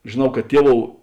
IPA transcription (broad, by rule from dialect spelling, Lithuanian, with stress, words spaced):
ʒʲeːˈnɐʊ kɐ ˈtʲiɛˌʋoːʊ